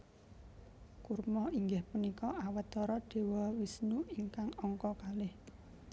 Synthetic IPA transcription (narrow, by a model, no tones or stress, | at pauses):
kurmɔiŋɡɪhpunikɔʔawət̪ɔɾɔɖ̥e̤wɔwisnuiŋkaŋɔŋkɔkalɪh